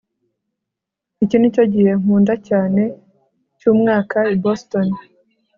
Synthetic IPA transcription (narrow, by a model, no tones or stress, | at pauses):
icinico̞ɟihe̞ŋ̥uːndacaːne̞ | cuːmŋaːkaiboston